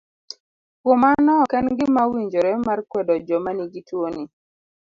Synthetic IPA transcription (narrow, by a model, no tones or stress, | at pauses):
komanɔkɛnɡɪmawiɲd͡ʒoɾɛmarkwɛdɔd͡ʒɔmaniɡitwoni